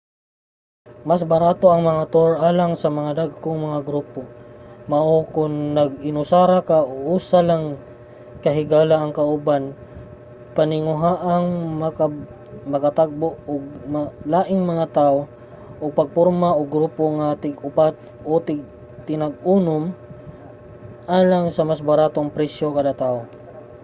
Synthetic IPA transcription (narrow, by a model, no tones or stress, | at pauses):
masbɐɾaːt̪oʔɐŋmɐŋat̪oɹʔaːlaŋsɐmɐŋad̪aɡ̚koŋmɐŋaɡɾuːpomɐʔokʊŋnɐɡɪnʊsaːɾakaʔoʔuːsalaŋ | kɐɦɪɡaːlaɐŋkɐʔʊban | pɐnɪŋʊɦaːʔɐŋmɐka | mɐkɐt̪aɡ̚boʔoɡmalaːʔɪŋmɐŋat̪aʔo | ʔʊɡ̚pɐɡ̚poɾmaʔoɡɾuːpoŋat̪ɪɡʊpat̪ | ʔut̪ɪɡ̚ | t̪ɪnɐɡ̚unʊm | ʔaːlaŋsɐmasbɐɾaːt̪oŋpɾɛsjokɐlɐt̪aʔo